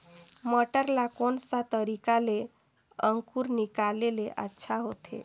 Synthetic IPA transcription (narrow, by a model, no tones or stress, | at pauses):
məʈəɾlakonsat̪əɾikale | əŋkuɾnikaleleʔə̰tːʃʰaɦot̪ʰḛ